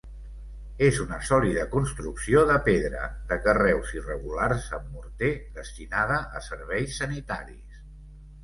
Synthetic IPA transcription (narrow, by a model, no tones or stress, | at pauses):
ezunəsɔliðəkunst̪ɾuksioðəpeðɾə̰ðəkərɛwzirəɣularsə̰mːuɾt̪eðəst̪inað̞əʔə̰səɾβ̞ɛjsːənit̪a̰ɾḭs